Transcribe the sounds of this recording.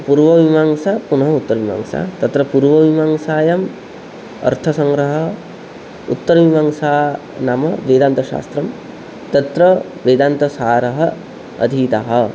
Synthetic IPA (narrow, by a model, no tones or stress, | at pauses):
puɾʋɐʋimaːŋsapunɐɦɐut̪ːɐɾɐʋima̰ŋsa̰t̪ɐt̪ɾɐpuɾʋɐʋimaŋsaːjɐm | ɐ̰ɾt̪ʰɐsɐŋɡɾɐɦɐ | ut̪ːɐɾɐʋimaŋsaː | namɐʋeːd̪aːnt̪ɐʃa̰ːst̪ɾɐm | t̪ɐt̪ɾɐ | ʋeːd̪ant̪ɐsaːɾɐɦɐ | ɐ̰d̪ʱiːt̪aɦɐ